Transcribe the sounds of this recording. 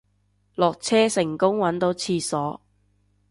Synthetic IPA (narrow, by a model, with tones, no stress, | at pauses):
lɔː˨˩k̚t͡sʰɛː˥sɪ˨˩ŋkʊ˥ŋwɐ˨˥nt̪o˨˧˥wt͡sʰiː˧sɔː˨˥